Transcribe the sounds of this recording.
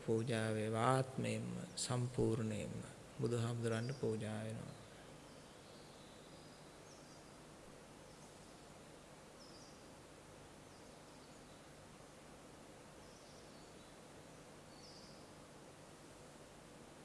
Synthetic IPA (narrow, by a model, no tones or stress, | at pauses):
puːd͡ʒaːʋeʋaːt̪məjemːə̰sɐmpuːɾɳəjḛmːə̰ | bud̪uɦamud̪uɾanɖəpuːd͡ʒaːʋeno̰ʋa̰